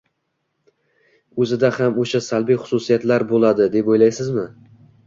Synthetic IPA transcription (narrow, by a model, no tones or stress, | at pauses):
ɵzɪd̪ahamoʃasalbijχʊ̥susijat̪laɾbolˠad̪ɪd̪epojlajsɪzmɪ